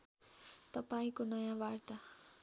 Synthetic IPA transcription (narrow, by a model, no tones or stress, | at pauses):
t̪ʌpaĩkonʌjãbart̪a